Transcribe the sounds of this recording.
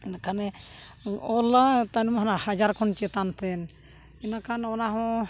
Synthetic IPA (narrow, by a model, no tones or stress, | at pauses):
nakʰanɛ | ɔlat̪anmaɦanahad͡ʒaɾkʰɔnt͡ʃɛt̪ant̪ʰɛn | ɛnakʰanɔnaɦɔ̃